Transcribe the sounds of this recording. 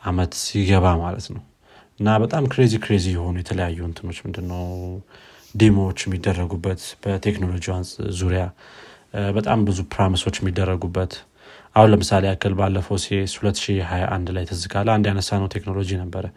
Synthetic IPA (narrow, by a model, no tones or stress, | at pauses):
ʔamət̪sjiɡəβamalət̪nəw | ʔɨnːabət̪ʼamkɾe̞zikɾezijɛho̞nujɛt̪ʰələjajːunt̪ʰɨno̞t͡ʃːmɨnd̪ɨnːəw | d̪emowot͡ʃːjɛmːid̪ːərːəɡubːət̪b̥ət̪ʰe̞kno̞lo̞d͡ʒiwansʼzuɾja | bət̪ʼambɨzupɾamiso̞t͡ʃːjɛmːid̪ːərːəɡubːət̪ | ʔahunləmɨsaleakʰəlbalːəfəwseshulət̪ːʃiɦajaʔand̪lajt̪ʰɨzɨkʼalːəand̪janəsːanəwt̪ʰe̞kno̞lo̞d͡ʒinəbːəɾə